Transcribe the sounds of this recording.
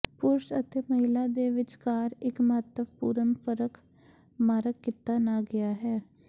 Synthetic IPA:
pʊɾʃət̪eːməɦɪlaːd̪eːʋɪt͡ʃkaːɾɪkməɦət̪ːəbpuːɾəmpʰəɾək | maːɾəkːɪt̪ːaːnaːɡɪjaːɦɛː

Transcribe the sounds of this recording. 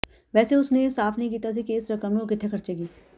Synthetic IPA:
ʋɛːseʊsnesaːpʰnəɦĩk̬iːt̪as̬ikeːsɾəkəmokɪt̪ʰːekʰəɾt͡ʃeːɡiː

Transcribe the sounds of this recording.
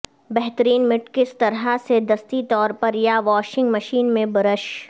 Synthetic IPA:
bɛɦt̪əɾiːnmɪʈkɪst̪ɐɾɦased̪ɐst̪it̪ɔːɾpɐɾjaʋɔːʃɪ̃ŋɡmɐʃiːnmẽbɐɾəʃ

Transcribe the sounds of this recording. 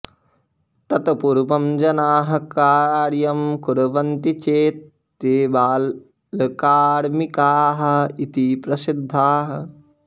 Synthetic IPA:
t̪ɐt̪ɐpuɾpɐmd͡ʒɐnaːɦɐkaːɾjɐmkuɾɐʋɐnt̪it͡ʃeːt̪ː | eːbaːlː | ɐkaːɾmikaːɦɐ̆it̪ipɾɐsid̪ʱːaːɦɐ̆

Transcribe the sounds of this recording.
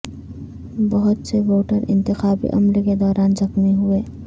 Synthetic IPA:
bɐɦʊt̪seʋoːʈəɾɪ̰̃nt̪ɪxaːbḭʔɐ̰mlked̪ɔːɾaːnzɐxmiɦʊeː

